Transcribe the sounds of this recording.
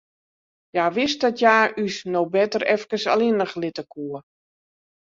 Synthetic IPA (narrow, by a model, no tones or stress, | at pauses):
jaːʋɪst̚dɔtjaːysnobɛtəɾɛfkəsa̰linəxlɪtəkʰuə